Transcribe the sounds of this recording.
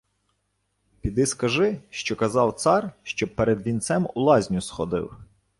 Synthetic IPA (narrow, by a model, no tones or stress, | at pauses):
pʲid̪ɪskɐʒɪʃt͡ʃɔkɐzɑwt̪sɑrʃt͡ʃɔbpeɾed̪ʋʲint̪sɛmṵlˠɑzʲnʲʊsxɔd̪ɪ̰w